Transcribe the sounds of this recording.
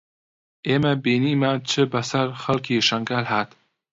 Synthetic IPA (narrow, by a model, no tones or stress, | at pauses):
eːmɐbiːniːmat͡ʃʰɨbɐsɐɾxɐlkʰiːʃɐŋɡaːlɦaːt̪